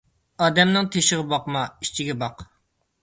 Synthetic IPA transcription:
ɑːd̪ɛmnɨŋt̪ʰeʃɪʁɨbɑqmɑit͡ʃʰiɡʲɛbɑq

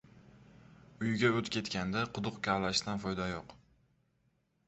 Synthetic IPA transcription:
ʊjɡʲaot̪kʲʰe̞t̪kʲand̪aqʰʊd̪ʊqkʲʰalaʃt̪anfɒjd̪ajoq

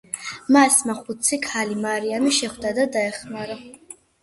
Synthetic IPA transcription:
masmaχut̪sʰikʰalimaɾiamiʃɛχwd̪ad̪ad̪aɛχmaɾa

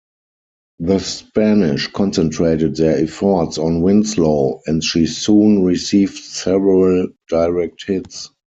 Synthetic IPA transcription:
ðəspænɪʃkʰɔ̃nsɛ̃ntʰɹeɪtət̚ðɛɛfɔtsɔ̃nwɪ̃nsloʊɛ̃ntʃiːsũːnɹisiːvdsɛvəɹəld̥aɪɹɛk̚thɪts

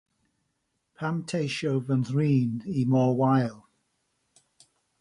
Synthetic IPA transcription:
pʰamtʰeɪʃoʊvə̃nðɹĩːnimɔːwaɪlˠ

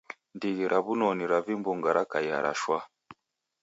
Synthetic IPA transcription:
ndiɣiɾʔaβunɔniɾavimbuŋɡaɾakaja̰ɾa̰ʃwa

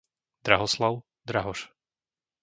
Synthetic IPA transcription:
d̪ɾaɦɔslaʊ | d̪ɾaɦɔʃ

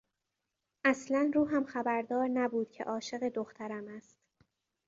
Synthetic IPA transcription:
ʔæslænɾuːɦæmxæbæɾd̪ɒːɾnæbuːd̪̥cʰe̞̰ʔɒːʃe̞ɣe̞d̪oxt̪ʰæɾæmæst̪

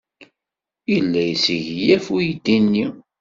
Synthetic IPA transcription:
ilːæjəsiʝjæfujid̪inːi

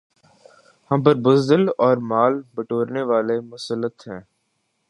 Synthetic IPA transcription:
həmpəɾbʊzd̪əlɔːɾmaːlbəʈoːɾneːʋaːlemʊsəlːət̪ɦɛ̃ː

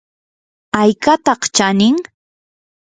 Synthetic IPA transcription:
ajkat̪ɑχt͡ʃanɪŋ

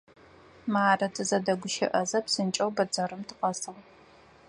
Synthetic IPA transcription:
maːrɐtʰɨzɐdɐɡʷʊʃɪ̰ʔɐzɐpsɨnt͡ʃʼɐwbɐd͡zɐrɨmtʰɨqʼɐsɨʁ

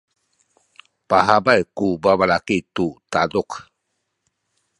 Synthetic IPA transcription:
paɦabajkubabalakit̪ut̪aduk

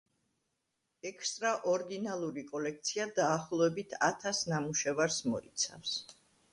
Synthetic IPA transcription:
ɛkʰst̪ʼɾaʔɔɾd̪inalˠuɾikʼɔlɛk̚t̪sʰiad̪aːχlˠɔɛbit̪ʰa̰t̪ʰasnamuʃɛvaɾsmɔit̪sʰa̰fs

